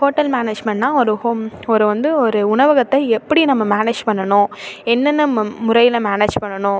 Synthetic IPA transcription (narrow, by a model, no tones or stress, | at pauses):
foːʈːɐlmaːneːd͡ʒmɛɳnãːɔɾɯhoːmɔɾɯʋɐnd̪ɯɔɾɯʊɳɐʋɐɣɐt̪ːɐɛpːɐɽinɐmːɐmaːneːd͡ʒpɐɳːɐnʊ̃ɛnːɐnːɯmʊɾɐɪjɪlɐmaːneːd͡ʒpɐɳːɐnʊ̃